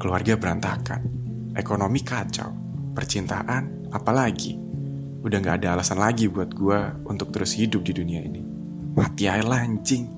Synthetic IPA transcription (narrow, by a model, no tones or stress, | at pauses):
kəluarɡabəɾant̪aka̰n | ʔekonomikat͡ʃa̰w | pərt͡ʃint̪a̰ʔan | apalaɡḭ | udaŋɡaːdaːlasanlaɡibuat̪̚ɡuaunt̪ʊk̚t̪əɾʊshidʊp̚diduniaḭni | mat̪iaɪlaɲd͡ʒɪŋ